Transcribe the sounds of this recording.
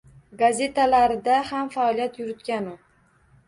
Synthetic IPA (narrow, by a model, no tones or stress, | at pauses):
ɡazʲe̞t̪ʰalaɾɪd̪ahamfaɒlijat̪jʊɾɪt̪kʲanʊ